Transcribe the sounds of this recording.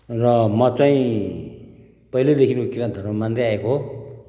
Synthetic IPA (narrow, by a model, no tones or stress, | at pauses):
rʌmʌt͡saĩ | pʌɦiled̪ekʰinukokiɾʌnt̪ʰʌromand̪eaekoɦ